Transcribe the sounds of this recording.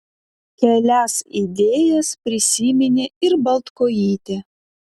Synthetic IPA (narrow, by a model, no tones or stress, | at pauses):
kʲɛlʲæsid̪ʲeːjɛspʲɾʲɪsʲiːmʲɪnʲeɪɾbɐlˠt̪koːjiːt̪ʲe